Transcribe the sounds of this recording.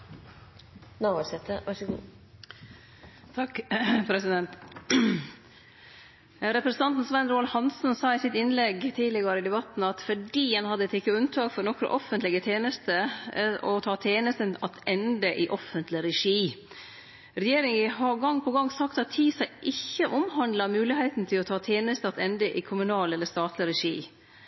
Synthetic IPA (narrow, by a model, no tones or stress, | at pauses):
nɑsɛt̪əʋæʂɡ | t̪ʰɑkpʰɾɛsɪd̪ɛnt̪ | ɾɛpɾəsn̩ʰɑnt̪n̩sʋɛnɾoːɑlhɑnsn̩sɑːɪsɪt̪ɪnlɛɡt̪ʰiːlɪɡɑɾəɪd̪ɛbɑt̪n̩ɑt̪fɔɖiːɑnhɑd̪ːət̪ɪkːəʉnt̪ʰɑːkfɔɾnɔkːɾɔ̰ʔɔfənt̪lɪɡət̪ʰjeːnəst̪ə | ɔt̪ʰɑːt̪ʰjeːnəst̪ənɑt̪ɛnd̪əʔɪʔɔfənt̪lɪɾɛʂiː | ɾɛjeːɾɪŋəɦɑɾɡɑŋːpʰɔɡɑŋːsɑkt̪ɑt̪hiːsɑɪʔɪçːəʔʊmhɑnd̪lɑmʉːlɪhæɪt̪n̩t̪ʰɪlɔt̪ʰɑːt̪ʰjeːnəst̪əɑt̪ɛnd̪əʔɪkʰʊmʉnɑːlɛlːəʂt̪ɑːt̪ʰlɪɾɛʂḭː